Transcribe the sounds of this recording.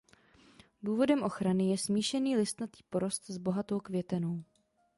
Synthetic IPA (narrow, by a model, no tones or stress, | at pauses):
duːvo̞dɛmʔo̞xɾanɪjɛsmiːʃɛniːlɪst̪nat̪iːpo̞ɾo̞st̪zbo̞ɦat̪o̞wkvjɛt̪ɛno̞w